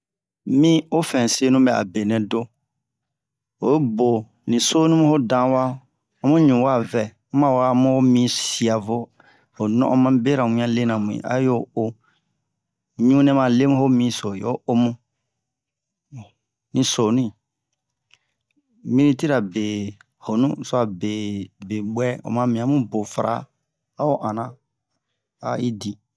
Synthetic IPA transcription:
mĩ˦o˦fɛ̃˨se˦nũ˦bɛ˨a̰˨be˨nɛ̃˨do˦ | o˨˦bo˨ | nĩ˨so˦nũ˦mũ˦ho˦dã˦wa˦ | o˦mũ˦ɲũ˨wa˦˨vɛ˨ | ũ˦mã˨wa˦˨mũ˦o˦mĩ˦si˨a˨vo˦ | o˨nɔ̰̃˦ʔɔ̃˦mã˦be˦ɾa˨wĩ˦ã˦le˦nã˨mũ˨ḭ̃˨a̰˦jo˦o˦˨ | ɲũ˦nɛ̃˦mã˨le˦mũ˦ho˦mĩ˧so˨jo̰˦o˦mũ˦˨ | nĩ˧˦so˨nĩ˦˨ | mĩ˦ɾĩ˦ti˦ɾa˨be˨ | ho˨nṵ̃˦˨so˦a˨be˨be˨ɡ͡bwɛ˦o̰˨mã˧mĩ˨ã˦mũ˦bo˨fa˦ɾa̰˦ | a˦o˦ʔã˨nã˨ | a̰˨i˦di˨

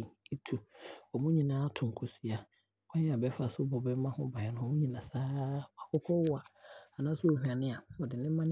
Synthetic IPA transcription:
i˦tʰu˨ɔ˨mʊ̃˦ɲĩ˨nãː˦a˦tʰʊ̃˨ŋ˨kʰɔ˨si˦a˨ | kʰã˦ɲ̃˦a˨bɛ˦fa˨sʊ˦bɔ˨bɛ˦mã˦hʊ̃˦ba˨ɛ˨nʊ̃˨ɔ˨mũ˦ɲĩ˨nã˨saː˦a˨kɔ˦kʰɔ˦wʊ˦a˨a˨nãː˦sʊ˦o˨hu˨ã˨nɪ̃˦a˨ɔ˨dɪ˨nɪ̃˦mã˦n˦

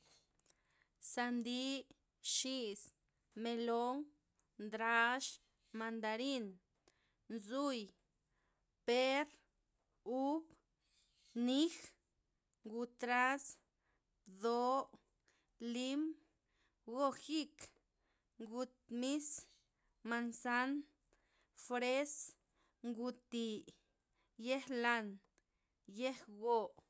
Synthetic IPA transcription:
sa˧nd̪i˦ | ʃi˦˧s | me˧lo˦ŋ | nd̪ɾa˦ʃ | ma˧nd̪a˧ɾi˦n | nzu˦j | pe˦ɾ | u˦k | ni˦x | ɡu˧t̪ɾa˦s | d̪o˦ | li˦m | ɡo˦xi˦k | ŋɡu˧t̪̚mi˦s | ma˧nsa˦n | fɾe˦s | ŋɡu˧t̪i˧ | je˦hla˧n | je˦hɡo˧˨

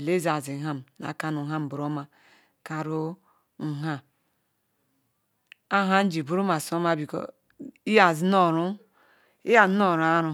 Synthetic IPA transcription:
le˦za˨zi˨ɦa˦m˨na̰˨ka˦nu˨ɦa˦m˨bu˨ɾo˦ma˨ | ka˨ɾo˦ | ŋ̩˨ɦa˦ | a˦ɦa˦n̩˦d͡ʒi˨bu˦ɾu˦ma˨so˦ma˦bi˨ko̰˨ | i˦ja˨zno˦˨ɾu˦ | i˦ja˨zno˦˨ɾa˦ɾu˨

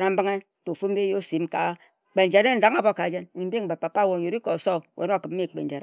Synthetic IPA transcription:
na˨m̩˦ba˦ŋe˦˨to˨fu˦m̩˦be˦jo˦si˨˦m˦ka˨ | k͡pe˨n̩˨d͡ʒe˨ɾe˦n̩˨˦da˦ŋa˨bo˦˨ka˨d͡ʒe˦ni˨˦bi˦˨ba˨pːa˨pa˦˨wo˨o˨ɾi˦ko˨so˦˨wʔḛ˨˦no˦˨kɨ˨m˦e˦˨k͡pe˨n̩˨d͡ʒe˨ɾe˦

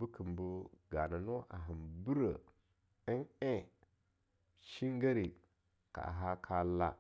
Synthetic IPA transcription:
bu˦kʰi˨mbu˦ɡa˨na˨no˦ʔa̰˨ɦi˨nbu˦ɾə˨ | ə˦ne˦ | ʃi˦ŋɡa˦ɾi˨ | ka̰˨ʔɦa˦kʰa˦la˦

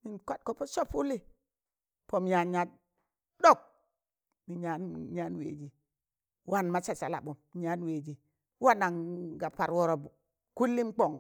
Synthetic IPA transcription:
ni˨nka˦t̚ko˨po˦so˦pu˦li˦˨ | po˨mja˨ɲa˨t | do˦˨k̚ | mi˨ɲa˦nɲa˦nwḛː˨d͡ʒi˨ | wa˦˨nma˦t͡ʃa˨sa˨la̰˨ɓu˨m˨ɲa˦nwe˨d͡ʒi˨ | wa˦na˨ŋɡa˨pa˨ɾwo˦ɾo˨b | ku˦lːi˦mk͡po˨ŋ

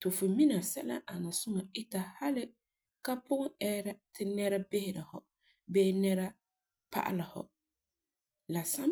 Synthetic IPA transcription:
tʊ˨fʊ˨mi˦na˨sɛ˦la̰˦ʔa˨na˨sʊ˦ŋa˨ɪ˦ta˨ha˦lɪ˦ | ka˦pʊ˦ɣʊ˦ɛ˦ɾa˨tʰɪ˦nɛ˦ɾa˦bɪ˦hɪ˨ɾa˨hɔ̰˨ | beː˦nɛ˦ɾa˦ | pa̰˦ʔa̰˦la˨hɔ̰˨ | la˨sa˦

